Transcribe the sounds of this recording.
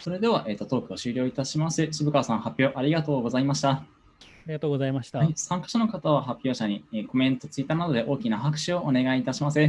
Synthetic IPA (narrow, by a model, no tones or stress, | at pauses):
so̞ɾe̞d̪e̞β̞aʔe̞ːt̪ːo̞t̪o̞ːkɯ̟oɕɨːɾʲjo̞ːit̪aɕimasɨɕibɯ̟kasãɰ̃hapʲjo̞ːʔaɾʲiɡat̪o̞ːɡo̞zaimaɕi̥t̪a | ɾiɡat̪oːɡozaimaɕi̥t̪aaisãŋkḁɕano̞kat̪aβ̞aɦapʲːjo̞ːɕaɲ̟ieko̞mẽ̞nt̪o̞t͡sɨit̪ːaːnad̪o̞d̪e̞ʔo̞ːkʲinaɦakɯ̟̥ɕio̞ʔːne̞ɡaiːt̪aɕimasɨ